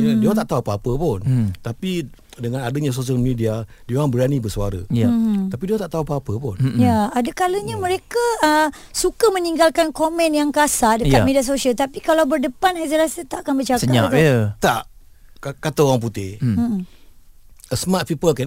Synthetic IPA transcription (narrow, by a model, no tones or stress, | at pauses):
diat̪aʔt̪aɦuapəapəpʊnt̪api | dəŋãnadəɲãs̬os̬iəlmidiadioaŋbəɾanibərsuaɾə̰jt̪apidiãt̪aʔt̪aɦuapəapəpʊnjaadəkaləɲamə̃ɾekaə | sukamə̃niŋɡalkankomɛ̃njaŋkasadəkat̪̚medias̬osialt̪apikalawbərdəpanajzəlasit̪aʔakanbərt͡ʃasəkaɲaʔat̪aʔkkat̪aowaŋp̬ut̪ɪh | əsmat̪̚fipəlka